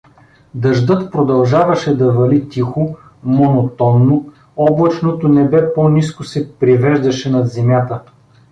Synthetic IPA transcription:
d̪ɐʒd̪ɤt̪pɾod̪ɐlˠʒavɐʃɛd̪ɐvɐlit̪ixo | monot̪ɔnːo | ɔblˠɐt͡ʃnot̪onɛbɛponiskosɛpɾivɛʒd̪ɐʃɛnɐd̪zɛmʲjat̪ə

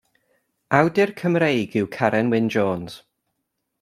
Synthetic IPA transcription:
awdɪrkʰəmɾejɡɪwkʰaɾɛnwɪnd͡ʒɔːnz̥

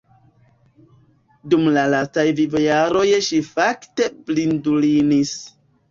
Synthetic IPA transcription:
dumlalastajvivojaɾo̞jʃifakte̞blindulinis

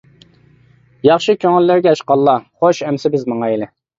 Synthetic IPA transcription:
jɑχʃɨkʲʰøŋɪlːæɾɡʲɛʃqɑlˠːɑχoʃɛmsɪbɪzmɑŋɑelɪ

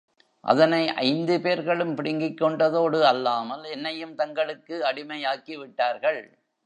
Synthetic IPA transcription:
ʔɐ̰ðɐnɐɪʔɐ̰ɪnd̪ɯpeːɾɣɐɭɯmpɪɽɪŋɡɪkːɔɳɖɐðoːɽɯɐlːaːmɐlɛnːɐjɯmt̪ɐŋɡɐɭɯkːɯɐɽɪmɐjaːkiʋɪʈːaːɾɣɐɭ

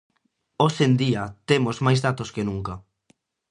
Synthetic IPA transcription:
osend̪iɐt̪emozmajzðat̪oskenuŋkɐ

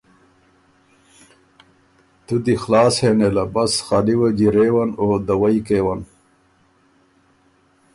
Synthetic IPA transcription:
t̪ud̪ixlaːshenelɐbɐsxaliwɐd͡ʑiɾeːwɐnoːd̪ɐwɐikeːwɐn

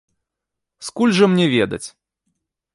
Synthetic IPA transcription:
skulʲʐɨmnʲɛvʲɛd̪ɐ̰t͡sʲ

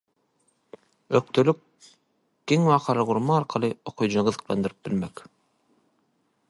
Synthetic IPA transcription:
øk̚t̪ʰølyk̚ | ɡ̥eŋwɑːqʰɑlˠɑʁuɾmɑːɾqʰɑlˠɯoqʰujd͡ʒɯnɑʁɯðɯ̥̆qlˠɑ̰nd̪ɯɾɯp̚bilmek

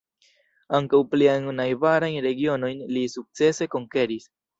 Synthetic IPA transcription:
aŋkawpliajnnajvaɾajnɾe̞ɡio̞no̞jnlisuk̚t͡se̞se̞ko̞ŋke̞ɾis

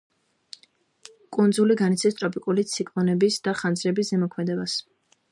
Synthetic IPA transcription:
kʼund̪zuliɡanit̪sʰɛst̪ʼɾɔpʼikʼulit̪sʰikʼlˠɔnɛbisd̪̥aχand̪zɾɛbiszɛmɔkʰmɛd̪ɛbas

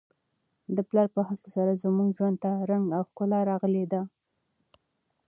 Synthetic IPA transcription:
d̪əplɑɾpəhasosaɾazəmuɡʒwand̪̚t̪aɾaŋɡawxkʊlɑɾɑɣəled̪a

